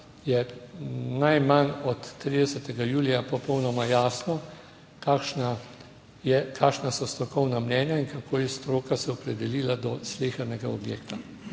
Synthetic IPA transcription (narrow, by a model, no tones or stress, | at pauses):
jɛ | najmanɔt̪ːɾiːd̪ɛsɛt̪ɛɡajuːlijapɔpɔwnɔmajaːsnɔ | kaːkʃna | jɛkʰaːkʃnasɔst̪ɾɔkɔwnamnɛːnjaiŋkakʰoːjɛst̪ɾoːkasɛɔpɾɛd̪ɛliːlad̪ɔsleːxɐɾnɛɡaɔbjeːkt̪a